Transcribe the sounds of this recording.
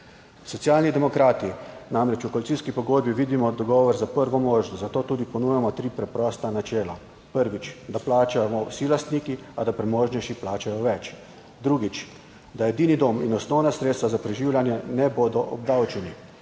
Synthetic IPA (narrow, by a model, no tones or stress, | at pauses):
sɔt̪sjaːlnid̪ɛmɔkɾaːt̪inamɾɛt͡ʃukɔlitsiːskipɔɡoːd̪̚biʋiːd̪imɔd̪ɔɡɔːʋɔɾzapəɾʋɔmoːʒnɔzat̪oːt̪uːd̪ipɔnuːjamɔt̪ɾiːpɾɛpɾɔːst̪anat͡ʃɛːla | pəɾʋit͡ʃd̪aplaːt͡ʃamɔwsilast̪niːkiad̪apɾɛmoːʒnɛʃiplaːt͡ʃajɔʋɛt͡ʃ | d̪ɾuːɡit͡ʃ | d̪ajɛd̪iːnid̪ominɔsnɔwnasɾeːt̪st̪ʋazapɾɛʒiːwlʲjanjɛnɛboːd̪ɔʔɔ̰b̚d̪awt͡ʃɛni